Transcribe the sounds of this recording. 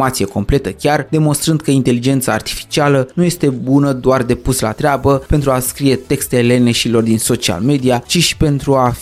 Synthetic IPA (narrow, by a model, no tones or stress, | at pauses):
at̪sije̞ko̞mple̞t̪əkʲard̪e̞mo̞nst̪ɾɨnd̪̚kəint̪e̞lid͡ʒe̞nt̪saːrt̪i̥fi̥t͡ʃialənuje̞st̪e̞bunəd̪oard̪e̞pusla̰t̪ɾeabəpe̞nt̪ɾuaskɾije̞t̪e̞kst̪ele̞neʃilo̞rd̪inso̞t͡ʃia̰lme̞d̪iat͡ʃiʃi̥pe̞nt̪ɾuaf